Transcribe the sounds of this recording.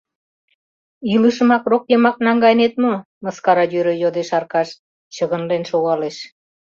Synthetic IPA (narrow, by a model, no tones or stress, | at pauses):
ilɯʃə̆mɑkrokjəmɑk̚nɑŋɡɑjnet̪̚mo | məskɑɾɑjøɾøjod̪eʃɑrkɑʃ | t͡ɕəɣənlenʃoɣɑleʃ